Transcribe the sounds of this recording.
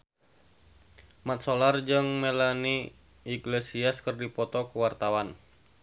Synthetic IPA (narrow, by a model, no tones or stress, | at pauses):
mat̪̚solard͡ʒɨŋmelani | iɡlesiaskərdipɔt̪ɔkuwart̪awan